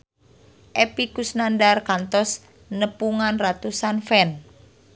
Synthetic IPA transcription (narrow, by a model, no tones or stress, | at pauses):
ʔɛpikusnandarkant̪ɔs | nəpuŋanrat̪usanfɛn